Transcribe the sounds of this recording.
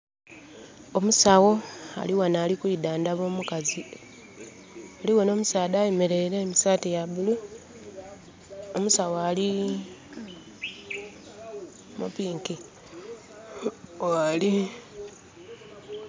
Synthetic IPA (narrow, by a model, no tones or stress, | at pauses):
o̞musawo̞a̰liwanaːlikuidaːndaβo̞ːmukazi | aliwe̞no̞ːmusaːdaːjeme̞ɾe̞ɾeːmisaːtejaβulu | omusawoali | mṵpiːŋki | oali